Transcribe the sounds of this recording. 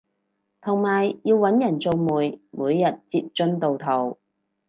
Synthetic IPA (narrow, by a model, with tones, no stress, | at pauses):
t̪ʰʊ˨˩ŋmaː˨˩jːiː˧wːɐ˨˥njɐ˨˩nt͡so˧wmuː˨jmuː˨˧jːɐ˨t̚t͡si˧p̚t͡ʃɵ˥nt̪o˨wt̪ʰɐ˨˩w